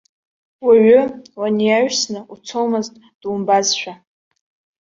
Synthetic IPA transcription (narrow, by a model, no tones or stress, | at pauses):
waɥʊlanijaɥsnɨʔut͡sʰowmɨztʼ | d̥umbazʃʷᶣa